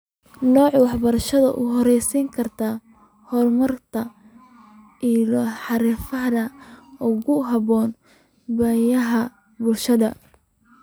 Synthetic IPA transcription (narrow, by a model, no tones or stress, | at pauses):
nɔːʕwɑħbɐɾɐʃɐðɐ̰ʔʊɦɔɾɛjsiːŋkʰɐrt̪ʰa | hɔrmɐrt̪ʰɐ | ʔilɔħɑɾɪfɐɦðɐʊɣʊɦɐβɔːn | bɐjɐɦɐ | bʊlʃɐðɐ